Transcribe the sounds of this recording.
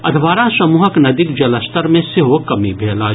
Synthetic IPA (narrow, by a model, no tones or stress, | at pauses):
ɐd̪ʱʋaːɾasɐmuːɦəknɐd̪ɪkd͡ʒɐləst̪əɾmẽsɪɦokɐmibʱeːlaː